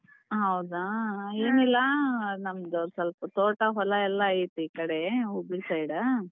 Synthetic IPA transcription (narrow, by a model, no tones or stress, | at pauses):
ɦɐwd̪aeːnilːɐnɐmd̪usɐlpɐt̪oːʈɐɦɔlɐɛlːɐːjit̪ːuiːkɐɽeubisɐjɽɐ